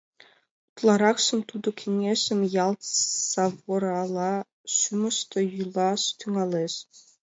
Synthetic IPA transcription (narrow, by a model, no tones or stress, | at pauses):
ut̪lˠɑɾɑχʃɘ̆mt̪ud̪ɤ̆kʲʰenʲeɕɘ̆mʲjɑlˠt̪sɑvŏɾɑlˠɑ | ɕymɤ̆ʃt̪ɤ̆julˠɑst̪ʰyŋɑlʲˠeɕ